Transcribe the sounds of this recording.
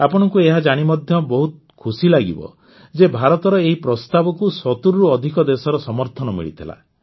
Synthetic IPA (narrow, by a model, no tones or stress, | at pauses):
apɔɽ̃ɔkueɦad͡ʒaɽ̃imɔd̪ʱjɔbɔɦut̪ | kʰusilaɡḭbɔ̰ | d͡ʒebʱaɾɔt̪ɔɾɔeɦipɾɔst̪abɔkusɔt̪uɾːuɔd̪ʱikɔd̪esɔɾɔsɔmɔɾt̪ʰɔnɔmḭɭḭt̪ʰila̰